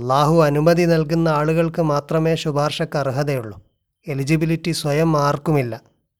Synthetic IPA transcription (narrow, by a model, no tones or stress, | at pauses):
ɐlːaːɦuɐnumɐðinɐlkunːɐaːɭuɣɐɭkɨmaːt̪rɐme̞ːɕubʱaːrʂɐkːɐruɦɐðɐjuɭːu | e̞lid͡ʑibilitːisʋɐjɐmːaːrkumilːɐ